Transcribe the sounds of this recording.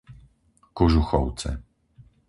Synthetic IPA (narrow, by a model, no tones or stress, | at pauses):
kɔʒuxɔ̰w̪t͡s̪ɛ̰